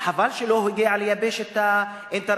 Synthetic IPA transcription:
ħavalʃeloɦoɡeʕalejabeʃet̪a | ʔent̪aɾ

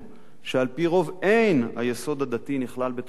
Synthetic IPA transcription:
ʃealpiʁo̞ve̞jnha̰je̞so̞d̪ad̪at̪iniχlalbet̪

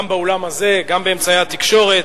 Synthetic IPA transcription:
mbaolamaze̞ɡambeemt͡sajeat̪ikʃo̞ʁet̪

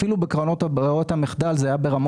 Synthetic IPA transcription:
ilubekʁanotot̪hameχd̪alzeajabeʁam

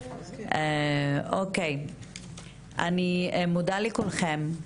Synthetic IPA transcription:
eokej | ʔa̰nimudalikulχem

